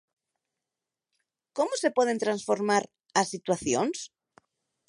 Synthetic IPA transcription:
komosepweð̞ent̪ɾansfoɾmaɾ | asit̪waθjons

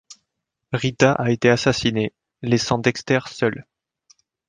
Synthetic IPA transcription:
ʁit̪aʔaet̪easasine | lesɑ̃d̪ɛkst̪ɛʁsœl

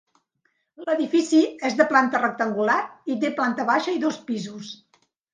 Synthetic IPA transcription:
ləðifisiezðəplant̪ərək̚t̪əŋɡulaɾit̪̬eplant̪əβaʃəiðospizus

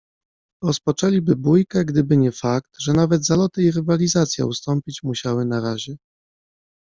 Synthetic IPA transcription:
ɾɔspɔt͡ʂɛlʲibɘbujkaɡd̪ɘbɘɲɛfak̚t̪ʐɛnavɛt̪zalɔt̪ɘiɾɘvalʲizat̪sʲja̰ust̪ɔmpʲit͡ɕmuɕawɘnaɾaʑɛ

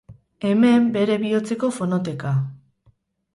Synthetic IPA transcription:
e̞me̞mbe̞ɾe̞βio̞t͡se̞ko̞fo̞not̪̬e̞ka

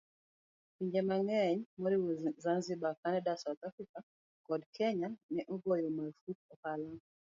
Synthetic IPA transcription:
piɲd͡ʒemaŋɛɲmɔɾiwozanzɪbakanɛdasaut̪afɾika | kɔdkʰɛɲanɛʔɔɡojɔmafut̪̚ɔkala

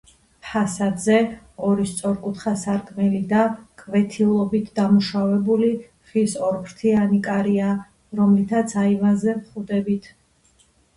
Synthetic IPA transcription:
pʰasad̪zɛ | ɔɾist̪sʼɔɾkʼut̪ʰχasaɾkʼmɛlid̪akʼvɛt̪ʰilˠɔbit̪ʰd̪amuʃavɛbuli | ʁisɔɾpʰɾt̪ʰianikʼaɾia | ɾɔmlit̪ʰat̪sʰaivanzɛvχud̪ɛbit̪ʰ

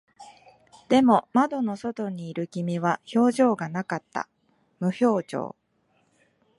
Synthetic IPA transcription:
d̪̥e̞mo̞mad̪o̞no̞so̞t̪o̞ɲ̟iːɾɯ̟kʲimʲiβ̞aço̞ːʑo̞ːɡanakat̪ːa̰ | mɯ̟ço̞ːd͡ʑo̞̰ː

